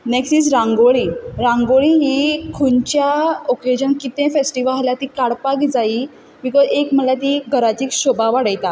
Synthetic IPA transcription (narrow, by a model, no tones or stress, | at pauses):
neksiːsɾãŋɡoɭiɾãŋɡoɭiɦiːkʰunt͡ɕjaɔked͡ʑənkit̪ẽfesʈiʋəɦaljat̪iːkaɽpaɡid͡zai | bikɔzekm̤əlat̪iːɡʱəɾat͡ɕiːkɕobaʋaɽəjt̪a